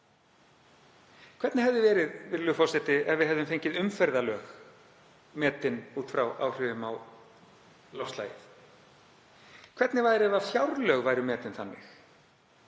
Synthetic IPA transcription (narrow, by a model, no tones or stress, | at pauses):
kʰvɛt̪nɪhɛvðʏvɛːɾɪðvɪðlʏfɔwsɛt̪ɪɛvɪðɦɛvðʏmfejɲcɪðʏmfɛɾðalœːx | mɛːt̪ɪnuːt̪fɾawa̰wr̥ʏːvʏmaw | lɔwst̪la̰ːjɪθ | kʰvɛt̪nɪvaːjðɾɛvafjawɾlœɣvaːjɾɪmɛːt̪ɪnθanːɪ̰x